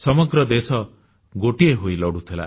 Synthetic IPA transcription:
sɔmɔɡɾɔd̪esɔ | ɡoʈieɦojlɔɽut̪ʰila̰

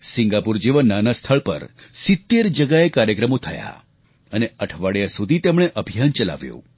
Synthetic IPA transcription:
sɪŋɡapuɾd͡ʒiʋənːanast̪ʰəɭpə̰ɾsɪt̪ːeɾd͡ʒəɡaekaɾjəkɾəmot̪ʰəja̰ | əneəʈʰʋaɽjasud̪ʱit̪emɽ̃eʔəbʱijant͡ʃəla̰ʋjṵ̃

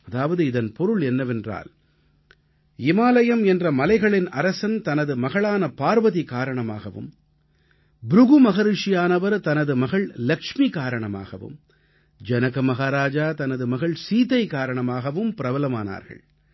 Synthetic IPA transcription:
ɐðaːʋɐðɯɪðɐnpɔɾɯɭɛnːɐʋɛndra̰ːl | ɪmaːlɐjɐmɛndrɐmɐlɐɪɣɐɭɪnɐɾɐsɐnt̪ɐnɐðɯmɐɣɐɭaːnɐpaːɾʋɐðikaːɾɐɳɐmaːɣɐʋɯ̰m | bɾʊɣɯmɐɣɐɾɪʂɪjaːnɐʋɐɾt̪ɐnɐðɯmɐɣɐɭlɐkʂmikaːɾɐɳɐma̰ːɣɐ̰ʋɯ̰m | d͡ʒɐnɐɣɐmɐɣaːɾaːd͡ʒaːt̪ɐnɐðɯmɐɣɐɭsiːt̪ɐɪkaːɾɐɳɐmaːɣɐʋɯmpɪɾɐʋɐlɐma̰ːna̰ːɾɣɐ̰ɭ

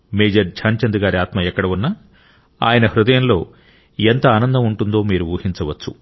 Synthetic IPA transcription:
meːd͡ʒɐɾd͡ʒʰʱaːnt͡ʃɐnd̪uɡaːɾiaːt̪mɐɛkːɐɽɐunːɐ | a̰ːjɐnɐhɾud̪ɐjɐnlo̞ː | ent̪ɐaːnɐnd̪ɐmuɳʈund̪o̞ːmiːɾuʋuːhiɲt͡ʃɐʋɐt͡ʃːu

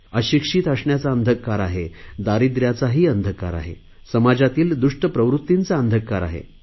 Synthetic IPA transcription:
əɕikʂiːt̪əʂɳjat͡saənd̪ʱəkːaɾaɦed̪aɾid̪ɾjat͡saɦiːənd̪ʱəkːa̰ɾa̰ɦḛ | səmad͡ʑat̪iːld̪uʂʈəpɾəʋɾut̪ːint͡saənd̪ʱəkːaɾa̰ɦḛ

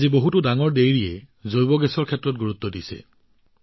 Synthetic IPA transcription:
ziboɦutʊdaŋɔɹdejɹiɛ | zojbɔɡɛsɔɹkʰɛtːɹɔt̚ɡuɹut̪ːɔdisɛ̰

